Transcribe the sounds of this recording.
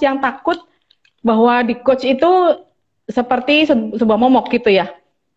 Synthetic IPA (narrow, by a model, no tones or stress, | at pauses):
jaŋt̪akʊt̪̚ | baɦwadikot͡ʃit̪u | səpərt̪issəbuahmɔmɔk̚ɡit̪uja